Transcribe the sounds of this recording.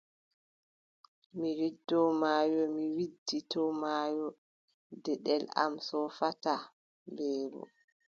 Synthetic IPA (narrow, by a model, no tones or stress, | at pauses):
miɾidːɔmaːjɔmiwidːitɔmaːjɔ | dɛɗɛla̰msɔfata | mbɛːɾɔ̰